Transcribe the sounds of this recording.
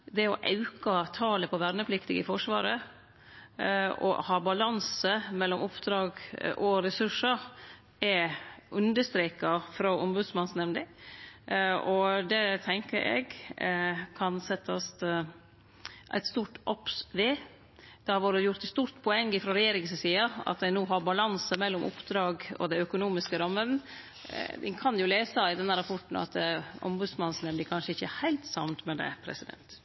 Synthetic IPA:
d̪ɛɔ̰ʔɑ̰ʉkɑt̪ʰɑːləpʰɔʋæɾnəpʰlɪkt̪ɪɡə̰fɔʂʋɑ̰ːɾə | ʔɔ̰hɑːbɑlɑnsəmɛlːɔmʊpd̪ɾɑːɡʔɔɾɛsʉʂəɾ | ɛʔʉnd̪əʂt̪ɾeːkɑfɾɑʔʊmbʉd̪smɑnsnɛmnd̪ɪ | ɔd̪ɛt̪ʰɛŋkəɾʔɛ̰ɡ | kʰɑnsɛt̪ʰːɑst̪ | ʔæ̰ɪt̪st̪uːʈʔɔpsʋeː | d̪̥ɛhɑɾʋoːɾəjʊɾt̪st̪uːɾt̪pʰɔɛŋːɪfɾɑɾɛjeːɾɪŋssiːɑɑ̰t̪̚d̪ɛɪnuːɦɑɾbɑlɑnsəmɛlːɔmʔʊ̰pd̪ɾɑːɡɔ̰d̪æœkʊnuːmɪskəɾɑmːən | ʋɪ̰kʰɑnjʊleːsəɪd̪ɛnːæɾɑpʰɔʈn̩ɑ̰t̪ɛʊ̰mbʉd̪smɑnsnɛmnd̪ɪkʰɑnʂəɪçːəæhæɪlt̪sɑ̰ʋnt̪mɛd̪ɛ̰pʰɾɛ̰sɪd̪ɛ̰nt̪

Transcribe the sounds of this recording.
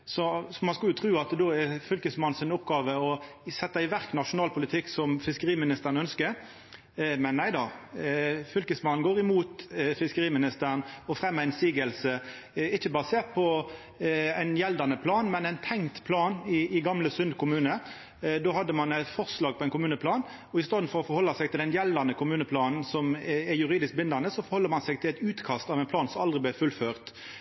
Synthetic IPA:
sɔsɔmɑnskɑlʉt̪ʰɾʉːɑt̪d̪oːɛɾfʏlkəsmɑnnsɪnɔpɡɑːʋəɔ | sɛt̪ːɑɪʋæɾknɑʂʊnɑːlpʰʊlɪt̪ʰɪkːsɔmfɪskəɾiːmɪnɪst̪əɾnœnskəɾ | mɛnnæɪd̪ɑ | fʏlkəsmɑnn̩ɡoːɾɪmuːt̪fɪskəɾiːmɪnɪst̪ənɔfɾɛmːæɪnsiːɡəlsə | ɪçːəbɑəseːt̪̚pʰɔ | æɪnjɛld̪ɑnəpʰlɑːnmɛnæɪnt̪ʰɛŋt̪pʰlɑːnɪːɡɑmləsʏnd̪kʰʊmʉːnə | d̪oːhɑd̪ːəmɑnæɪt̪fɔʁslɑːɡ̚pʰɔɛɪnkʰʊmʉːnəpʰlɑːn | ɔɪst̪oːd̪n̩fɔɾɔfɔɾhɔlːɑsɛɪɡ̚t̪ɪld̪ɛnjɛld̪ɑnəkʰʊmʉːnəpʰlɑːnn̩sɔmɛɾjʉɾiːd̪ɪsk̚bɪnd̪ɑnəsɔfɔɾhɔlːəɾmɑnsɛɪɡt̪ʰɪlæɪt̪ʉːt̪kʰɑst̪ɑʋɛɪnpʰlɑːnsɔmɑld̪ʁɪblæfʉlføːʁt̪

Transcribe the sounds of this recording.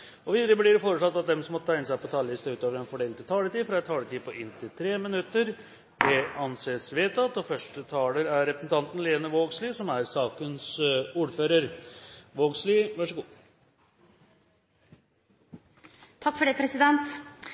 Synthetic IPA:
ɔʋiːd̪əɾəblɪɾfoːɾəʂɭɔt̪ːɑt̪̚d̪ɛmsɔmɔt̪ʰæɪnəsæɪpʰɔt̪ʰɑːllɪst̪əʉːt̪oːʋəɾɛnfɔɖeːlt̪ʰːɪt̪ʰɑːlət̪iːfɾɑɛt̪ʰːɑːləʈ̪ʰiːpʰɔʔɪnt̪ʰɪlt̪ʰɾeːmɪnʉt̪ːəɾ | d̪ɛɑnseːsʋeːt̪ɑt̪ɔfœʂʈət̪ʰɑːləɾæɾːɛpɾəsn̩t̪ʰɑnt̪n̩leːnəʋoːɡsliːsɔmæɾsɑːkənsuːɖføːɾəɾʋoːɡsliːʋæʂəɡuː | t̪ʰɑkːfɔɖeːpʰɾɛsɪd̪ɛnt̪

